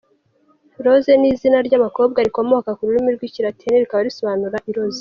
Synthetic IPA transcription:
iɾo̞zeniːzinaɾɟaβako̞ːb̚ɡaɾiko̞mo̞kakuɾuɾimiɾɡwiciɾatʰeneɾikaβaɾiso̞βaːnuɾaʔiɾo̞ze

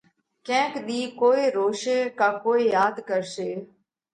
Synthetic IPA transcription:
kɛ̃ːkɗ̪iːkoːeːɾoːʃeːkaːkoːijaːd̪kəɾseː

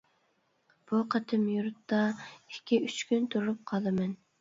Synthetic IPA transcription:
b̥uqʰɑt̪ʰɨmjuɾɨt̪ːɑikʲːiyt͡ʃkʲynt̪ʰuɾup̚qʰɑlˠɨmɛn

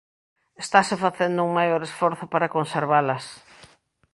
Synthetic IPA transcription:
est̪asefaθend̪ʊuŋmajoɾesfɔɾθopaɾakonseɾβalɐs

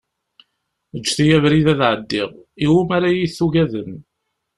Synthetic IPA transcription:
əd͡ʒːθijævɾiðæðʕəd̪ːiʁiwumæɾajiθːuʝæðəm

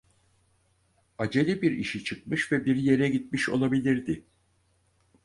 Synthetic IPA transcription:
ad͡ʒe̞lʲibiɾḭʃit͡ʃʰɯk̚mɯʃvɛbiɾje̞ɾɛɟit̪̚miʃo̞̰lˠabilʲiɾd̪ɪ

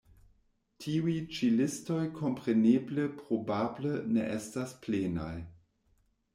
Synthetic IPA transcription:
tʰiujt͡ʃilɪsto̞jkʰo̞mpʁeneːbləpʁobablənḛʔestaspleːna̰j

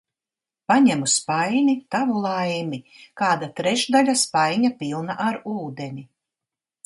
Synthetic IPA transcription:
paɲɛmuspajnʲit̪avulˠajmikaːd̪at̪ɾɛʃd̪alʲaspajɲapilˠnaʔaɾuːd̪enʲi

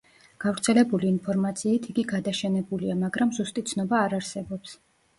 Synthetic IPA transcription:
ɡ̥avɾt̪sʰɛlɛbuliːnpʰɔɾmat̪sʰiːt̪ʰiɡiɡad̪aʃɛnɛbuliamaɡɾamzust̪ʼit̪sʰnɔbaːɾaɾsɛbɔps

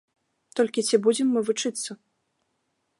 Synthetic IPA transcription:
t̪ɔlʲkʲit͡sʲibud͡zʲimːɨvut͡ʂɨt̪sːɐ

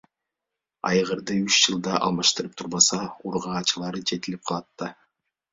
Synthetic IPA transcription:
ɑ̰jʁɯɾd̪ɯyt͡ʃd͡ʒɯlˠd̪ɑʔɑ̰lˠmɑʃt̪ɯɾɯp̚t̪ʰuɾbɑsɑuɾʁɑːt͡ʃɯlˠɑɾɯd͡ʒe̞t̪ilʲip̚qʰɑlˠɑt̪ːɑ

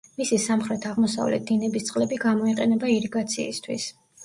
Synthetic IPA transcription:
misisamχɾɛt̪ʰaʁmɔsa̰vlɛ̰t̪̚d̪inɛbist̪sʼqʼlɛbiɡamɔiqʼɛnɛbaiɾiɡat̪sʰiːst̪ʰwḭs

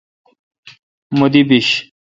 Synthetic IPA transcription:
mud̪ibiɕ

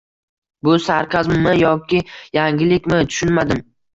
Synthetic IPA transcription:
bʊsaɾqʰazmmɪjɒkʲɪjaŋʲɪlɪkʲmɪt̪ʰʊ̥ʃʊnmad̪ɪm

